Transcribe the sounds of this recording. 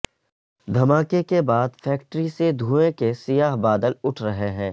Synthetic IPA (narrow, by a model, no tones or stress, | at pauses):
d̪ʱɐmaːkekebaːd̪fɛːkʈɾised̪ʱũːẽkesɪjaːɦbaːd̪əlʊʈʰɾɐɦeɦɛ̃ː